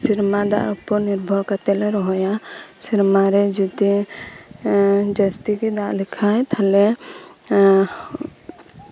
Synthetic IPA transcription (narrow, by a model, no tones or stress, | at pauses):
siɾmad̪a̰ʔupɔɾniɾbʱɔɾkat̪ɛlɛɾɔɦɔjasiɾmaɾɛd͡ʒit̪i | d͡ʒəst̪ikid̪aʔlikʰajt̪ʰalɛ